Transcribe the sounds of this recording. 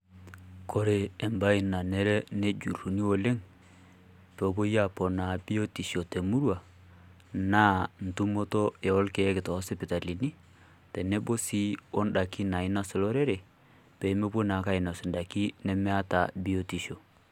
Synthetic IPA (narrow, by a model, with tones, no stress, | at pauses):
ko˦ɾeː˨mba˦i˨na˨nɛ˦ɾɛ˦ne˦d͡ʒu˨ɾu˨ni˦o˨le˦ŋ | pɔ˨˦bo˦ja˦pɔ˨na˨bi˦o˦ti˨ʃo˨te˨mu˦ɾwa˨ | naː˦n̩˨tu˦mo˦tɔ˦ɛ˨ɔ˦lkɛ˨˦kɪ˨tɔ˨˦sɛ˦pɪ˨ta˨li˨ni˦ | tɛ˨nɛ˦bo˦si˦ɔ˦nɗa˨ki˦na˨ɪ˦na˨sɔ˨lɔ˦ɾɛ˦ɾɛ˨ | pe˨˦me˦bo˦na˨˦ka˦ɪ˨na˨sɪ˨nda˨ki˦nɛ˦mɛ˦a˦ta˨bi˦o˦ti˨ʃo˨